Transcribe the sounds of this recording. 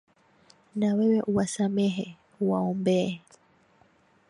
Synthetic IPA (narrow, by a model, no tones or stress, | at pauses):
nawɛwɛʔuwasamɛɦɛ | uwaɔmbɛː